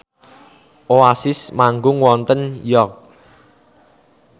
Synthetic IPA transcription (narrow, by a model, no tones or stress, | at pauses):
ʔoasɪsmaŋɡʊŋwɔnt̪ənjɔrk̚